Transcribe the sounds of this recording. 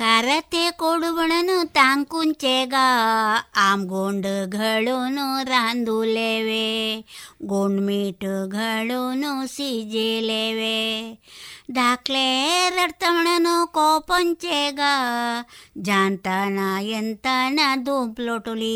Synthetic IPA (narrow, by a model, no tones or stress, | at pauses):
kaɾɐt̪ekoɽubɐɳɐnut̪aŋkunt͡ʃeɡa | amɡoːɳɖɨɡʱɐɭunuɾaːnd̪uleʋe | ɡoːɳɖmiːʈɡʱɐɭunusid͡ʒeleʋe | d̪ʱaːkleɾɐɾt̪ɐmɐɳɐnukɔpɐnt͡ʃeɡa | d͡ʒaːnt̪anajɐnt̪anad̪uːmploʈoli